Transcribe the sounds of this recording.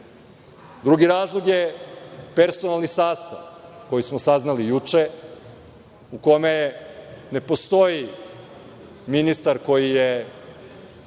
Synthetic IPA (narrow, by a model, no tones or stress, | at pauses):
d̪ɾuɡiɾaːzlˠoɡjepe̞ɾsonalˠnisaːst̪a̰ʋko̞jismosaznalijut͡ʃe | uko̞me | ne̞po̞st̪o̞ji | minist̪aɾko̞jije